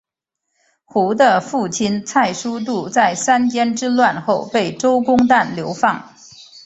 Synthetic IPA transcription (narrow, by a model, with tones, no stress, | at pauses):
xu˧˥d̪ə˧fu˥˩t͡ɕʰi˥nt͡sʰa˥˩ɪʂu˥t̪̬u˥˧˩t͡sa˥˩ɪsa˥nt͡ɕjɛ˥nʈ͡ʂɻ̩˥lwa˥˧nxo˥˧ʊpe˥˩ɪʈ͡ʂo˥ʊkʊ˥ŋt̪̬a˥˩nljo˧˥ʊfɑ˥˩ŋ